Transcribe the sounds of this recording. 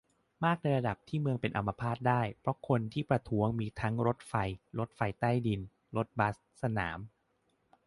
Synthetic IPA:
maː˥˩k̚na˧jɾa˧da˨˩p̚t̪ʰiː˥˩mɯ˧əŋpe˧nʔa˧mːa˧pʰaː˥˩t̪̚daː˥˩jpʰɾɔ˦˥kʰo˧nt̪ʰiː˥˩pɾa˧t̪ʰuː˦˥əŋmiː˧t̪ʰa˦˥ŋɾo˦˥t̪̚fa˧jɾo˦˥t̪̚fa˧jt̪a˥˩jdi˧n | ɾo˦˥t̪̚ba˦˥s | sa˧na̰ː˩˦m

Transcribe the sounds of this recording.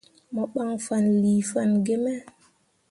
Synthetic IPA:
mɔ˨ɓa˦ŋfa˨nli˨fa˦˨nɡe˦mɛ˦

